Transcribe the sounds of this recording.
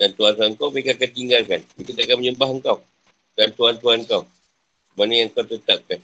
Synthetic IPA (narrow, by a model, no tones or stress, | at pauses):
dant̪uant̪uaŋkawpekakant̪iŋɡalkanbik̪ut̪akanməɲəmbaɦəŋkaw | dant̪uant̪uanŋkaw | manəjaŋkawt̪ət̪ap̚kan